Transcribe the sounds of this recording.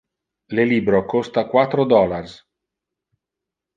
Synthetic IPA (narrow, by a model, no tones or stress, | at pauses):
leliːbɾokost̪akwat̪ːɾod̪ɔlars